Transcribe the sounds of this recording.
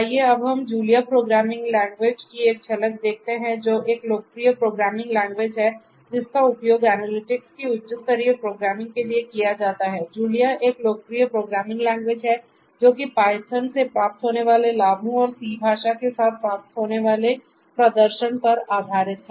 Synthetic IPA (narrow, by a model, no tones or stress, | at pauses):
aɦieɐbɦɐmd͡ʒuːlijapɾoːɡɾaːmɪ̃ŋɡlɛ̃ːŋɡʋeːd͡ʒkieːk̚t͡ʃʰɐlək̚d̪eːk̚ʰt̪eɦɛ̃d͡ʒoːʔeːkloːk̚pɾijəpɾoːɡɾaːmɪ̃ŋɡlɛ̃ːŋɡʋeːd͡ʒɦɛ | d͡ʒɪskaʊpjoːɡɛːnəlɪʈɪkskiʊtːt͡ʃəst̪əɾiəpɾoːɡɾaːmɪ̃ŋɡ̚keliekijad͡ʒaːt̪aɦɛːd͡ʒuːlijaʔeːkloːkəpɾijəpɾoːɡɾaːmɪ̃ŋɡlɛ̃ːŋɡʋeːd͡ʒɦɛ | d͡ʒoːkipaːɪt̪ʰənsepɾaːp̚t̪ɦoːneʋaːlelaːbʱũɔːɾsiːbʱaːʃakesaːt̪̚ʰpɾaːp̚t̪ɦoːneʋaːle | pɾɐd̪əɾʃənpɐɾaːb̪ʱaːɾɪt̪ɦɛ